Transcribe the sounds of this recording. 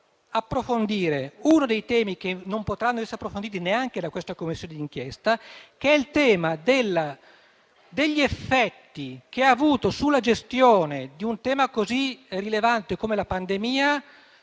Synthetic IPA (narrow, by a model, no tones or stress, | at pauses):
apːɾofond̪iːɾeunod̪ejt̪ɛːmik̟enːompot̪ɾanːoɛsːɾapːɾofond̪iːt̪ineaŋk̟ed̪akwest̪akomːisːjoːned̪iŋk̟jɛst̪akeɛilt̪ɛːmad̪elːa | d̪eʎːiefːɛt̪ːik̟eaːvuːt̪osulːad͡ʒest̪joːned̪iunt̪ɛːmakozirilevant̪ekomelapand̪emiːa